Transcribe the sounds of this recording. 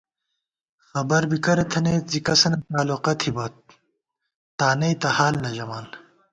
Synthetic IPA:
xɐbɐɾbikɐɾɐt̪ʰɐnej̪zikɐsɐnɐt̪aːloqɐt̪ʰibɐt̪̚ | aːnɐjt̪ɐhaːlnɐʑɐmaːn

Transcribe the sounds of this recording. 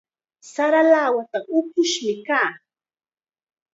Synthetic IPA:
saɾalaːwat̪aʔʊkʊʃmɪkaː

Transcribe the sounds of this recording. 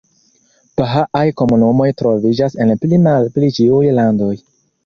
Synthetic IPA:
paɦaʔajko̞munumo̞jtɾo̞vid͡ʒase̞nplimalplit͡ʃiujlando̞j

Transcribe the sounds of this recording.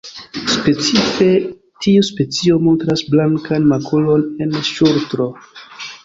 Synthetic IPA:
spe̞t͡sife̞ | tʰiuspe̞t͡sio̞mo̞ntɾasblaŋkanmakʰulo̞nenʃuɾtɾo̞

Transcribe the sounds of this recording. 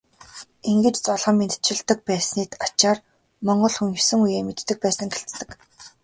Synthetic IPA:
iŋɡɘ̆t͡ɕt͡sɔɮʁə̆mːent̪ʰt͡ɕʰɪ̆ɮt̪ə̆k̚pæːsniːt̪at͡ɕaːr | mɔɴɢɞ̆ɮxunsɘ̆ŋujeːmet̪ːɘ̆k̚pæːsə̆ŋɡeɬt̪ːɘ̆k

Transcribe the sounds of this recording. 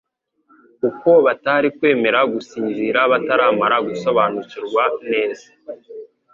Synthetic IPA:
uko̞βataɾikwe̞ːme̞ɾaɡusiːnziɾaβataɾaːmaɾaɡuso̞βanuciɾɡwane̞ːz̥ḁ

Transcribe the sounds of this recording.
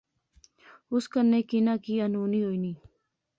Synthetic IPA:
ʊskənːekinakianuːniojniː

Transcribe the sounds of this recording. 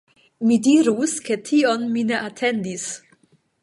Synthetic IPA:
midiɾuske̞tʰio̞nmineʔatʰe̞nd̪is

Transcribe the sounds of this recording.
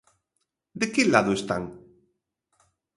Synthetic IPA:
d̪ekelaðoest̪a̰ŋ

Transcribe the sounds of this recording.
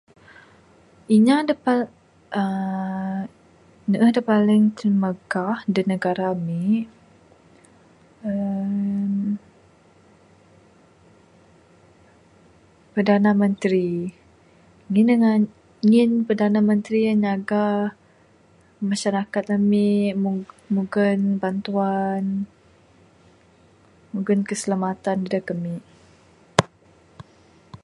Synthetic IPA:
iɲadəpa | ə | nəʔəhdəpalɪŋt̪əməɡahdinəɡaɾami | ə | m | pərdanamə̃nt̪ɾi | ŋinəŋan | ŋɪnpərdanamənt̪ɾiaɲaɡa | maʃaɾakat̪̚ləmɪʔ | muɡənbant̪uan | muɡənkəsəlamat̪andidakəmɪʔ

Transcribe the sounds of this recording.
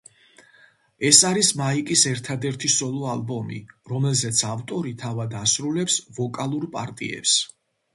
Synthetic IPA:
ɛsaɾismaikʼisɛɾt̪ʰad̪ɛɾt̪ʰisɔlˠɔalbɔmḭɾɔmɛlzɛt̪sʰavt̪ʼɔɾit̪ʰavad̪asɾulɛpsvɔkʼalˠuɾpʼa̰ɾt̪ʼḭɛ̰ps

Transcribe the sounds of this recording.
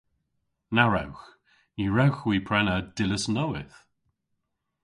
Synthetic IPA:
naɹɛ̰wx | iɹɛwxwiːpʰɹ̥ɛnəd̥ɪləsnowɪθ

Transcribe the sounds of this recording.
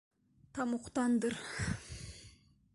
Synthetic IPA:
t̪ʰɑmuqt̪ɑnd̪ɨɾ

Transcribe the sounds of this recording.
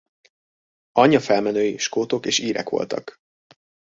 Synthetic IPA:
ɒɲːɒfɛlmɛnøːjiʃkoːt̪o̞keːʃiːɾɛ̰kʋo̞̰lt̪ɒ̰k

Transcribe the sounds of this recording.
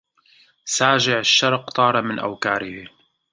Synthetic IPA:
saːʒɪʕaʃːɑɾˤqt̪ˤɑːɾˤɑmɪnʔa̰wkaːɾɪhi

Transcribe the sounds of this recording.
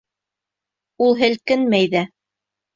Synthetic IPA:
ulˠɦɘ̆lkɘnmæjðæ

